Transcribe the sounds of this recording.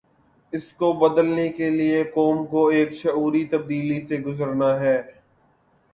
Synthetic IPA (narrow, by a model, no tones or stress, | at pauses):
ɪskobɐd̪əlnekeliekɔːmkoeːkʃɐuːɾit̪ɐb̚d̪iːliseɡʊzəɾnaɦɛː